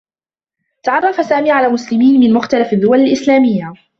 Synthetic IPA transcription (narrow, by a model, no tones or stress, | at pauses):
t̪aʕɑrˤːɑfasaːmiːʕalaːmʊslɪmiːnmɪnmʊxt̪alafad̪ːʊwalalʔɪslaːmɪjːa